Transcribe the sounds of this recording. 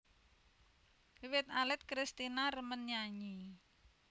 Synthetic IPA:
wɪt̪alɛt̪̚kɾist̪inarəmənɲaɲi

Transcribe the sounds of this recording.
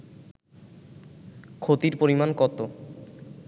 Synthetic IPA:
kʰot̪iɾpoɾimankɔt̪o

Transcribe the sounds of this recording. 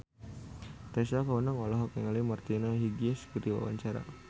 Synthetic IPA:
t̪ɛsakaunaŋɔlɔɦɔkaŋalimart̪inaɦiɡiɛskəɾiwa̰wa̰ɲt͡ʃaɾa̰

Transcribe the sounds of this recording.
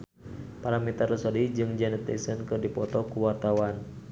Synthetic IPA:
paɾamit̪ərəsɔdid͡ʒɨŋd͡ʒanət̪ːḛsənkɨrdipɔt̪ɔkuwart̪awan

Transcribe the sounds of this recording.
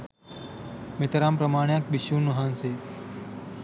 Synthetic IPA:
met̪ɾaːmpɾəmaːɳ̃jãːk̚bɪʃũːnuɦaːnseː

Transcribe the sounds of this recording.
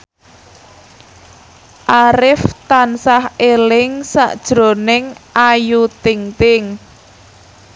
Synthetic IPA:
ʔaɾɪft̪ansahelɪŋsa̰ʔd̥ʒ̥ɾo̤nɪŋʔajut̪ɪŋt̪ɪŋ

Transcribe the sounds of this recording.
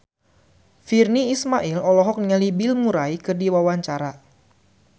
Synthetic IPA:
firniːsmaʔilɔlɔɦɔk̚nŋalibilmuɾaikɨrdiwawaɲt͡ʃaɾa

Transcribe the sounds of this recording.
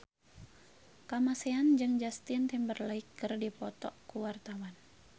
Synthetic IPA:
kamasɛand͡ʒɨŋd͡ʒast̪int̪ɛmbərlaikːɨrdipɔt̪ɔkuwart̪awan

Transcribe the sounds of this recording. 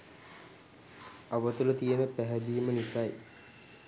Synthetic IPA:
aʋət̪ulət̪ijənəpæɦɛd̪iːmənisaj

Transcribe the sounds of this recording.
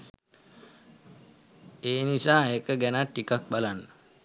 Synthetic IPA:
eːnisaːekəɡænatːikak̚balanːə

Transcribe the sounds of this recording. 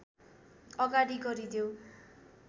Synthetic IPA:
ʌɡaɽiɡʌɾid̪jo

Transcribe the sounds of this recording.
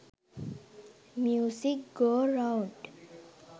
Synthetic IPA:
mjuːsik̚ɡoːɾawɳɖ

